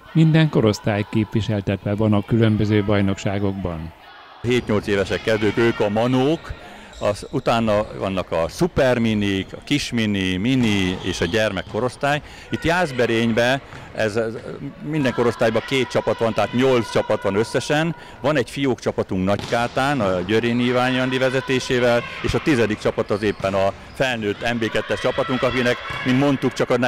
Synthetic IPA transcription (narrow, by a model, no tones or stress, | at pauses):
mind̪ɛŋko̞ɾo̞st̪aːjkeːpʋiʃɛlt̪ɛt̪ʋɛvɒnɒkylømbøzøːbɒjno̞kʃaːɡo̞ɡ̚bɒn | ɦeːt̪ɲo̞lt̪seːvɛʃɛkkːɛzd̪økøːkɒmɒnoːk | ɒsut̪aːnːɒvɒ̰nːɒkɒsupɛrminikɒ̰kiʃminiminiḛːʃɒɟɛrmɛkːo̞ɾo̞st̪aːj | it̪jaːzbɛɾeːɲbɛ | ɛz | mind̪ɛŋko̞ɾo̞st̪aːjbɒkeːt̪̚t͡ʃɒpɒt̪ʋɒnt̪ɛɦaːt̪ɲo̞lt̪st͡ʃɒpɒt̪ʋɒnø̞sːɛʃɛn | ʋɒnɛɟfijoːkt͡ʃɒpɒt̪uŋknɒckaːt̪aːnɒɟøɾeːniːvaːɲɒnd̪ivɛzɛt̪eːʃeːvɛleːʃɒt̪izɛd̪ik̚t͡ʃɒpɒt̪ɒzeːpːɛnɒ | fɛlnøːt̪ːɛmbeːkɛt̪ːɛʃt͡ʃɒpɒt̪uŋkɒkinɛkmint̪mo̞nt̪ukt͡ʃɒkɒn